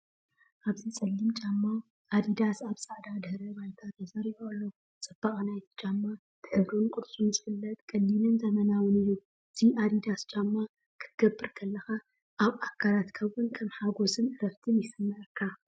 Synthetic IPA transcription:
ʔaβzisʼɐlːimt͡ʃʼamːaw | ʔad̪id̪asaβsʼaʕd̪ad̪ɨhɾɐβajt̪ʰat̪ʰːɐzaɾiβalːo | t͡sʼɨb̥ːaχʼnajt̪ʰɨ̥t͡ʃʼamːa | t̪ʰɨħɨβɾunkʼʊd̪t͡sʼunzɨfɨlːɐt̪kʼɐlːinɨnzɐmɐnawɨnɨjːu | ɨt̪ʰiʔad̪id̪ast͡ʃʼamːa | kʰɨ̥t̪ʰɡɐbːɨɾkʰɐlːɐxa | ʔaβʔakʰːalat̪kʰɐwʊnkʰɐmħaɡo̞sɨnɨɾɐft̪ʰɨnjɪsɨmːɐʕɨkʰːa

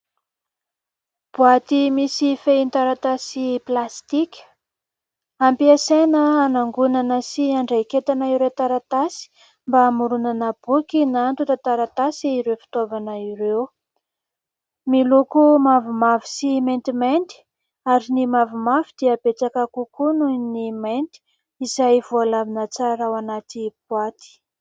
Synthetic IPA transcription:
b̥uat̪imisifeint̪aɾat̪asiplast̪ikʲə̥ | ampiasenəːnaŋɡunanəsiaɳɖ͡ʐejket̪anaiɾet̪aɾat̪asi̥ | mbamuɾunanəb̥ukinant̪ut̪at̪aɾat̪asiːɾewfi̥t̪ovanəiɾew | milukumavumavi̥siment̪iment̪i̥ | aɾinimavumavid̪iəbet͡sakakukununiment̪i̥ | izajvualavinət͡saɾawanat̪ibwat̪i̥

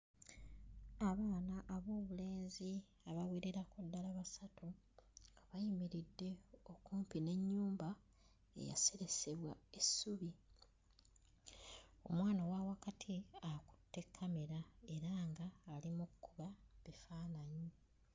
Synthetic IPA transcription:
aβaːnaʔaβo̞ːβule̞ːnzi | aβawiɾeɾakudːalaβasatʰu | ɡaβajimiɾidːe̞okuːmpine̞ɲːuːmba | ḛja̰se̞ɾe̞se̞βwa̰esːuβi | o̞̰mwaːnawawakatʰiaku̥tːe̞kʰːame̞ɾae̞ɾaːŋɡaːlimukːuβaβifaːnaɲi

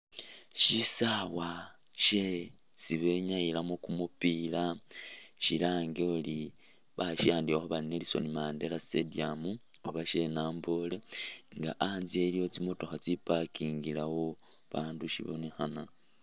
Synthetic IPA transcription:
ʃisawa | ʃe̞ | t͡siβe̞ɲajilamokumupila | ʃilaːŋɡeoli | βaʃiaːndioxoβaline̞liso̞̰nimaːnde̞lasediamuoβaʃe̞naːmbo̞leŋɡa̰ʔanzie̞ljo̞t͡simoto̞xat͡sipakiːŋɡilawo | βaːnduʃḭβo̰nixana

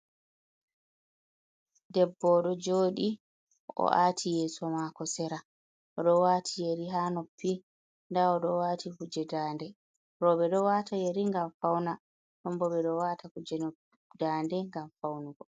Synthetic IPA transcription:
dɛbːɔɗɔd͡ʒoːɗi | ɔ̰ʔatʰijɛːsɔmakɔsɛɾa | ʔɔɗɔwatʰijeɾiɦanɔpʰːi | ndaɔɗɔwatihud͡ʒɛdaːndɛ | ɾɔɓɛɗɔwaːtʰajeɾiŋɡamfawna | ɗɔmbɔɓɛɗɔwatʰakud͡ʒɛnɔ | daːndɛŋɡamfawnuɡɔ

